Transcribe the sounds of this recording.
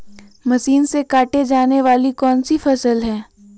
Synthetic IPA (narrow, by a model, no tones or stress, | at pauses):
mɐʃiːnsekaːʈed͡ʒaːneʋaːlikɔːnsifɐsəlɦɛː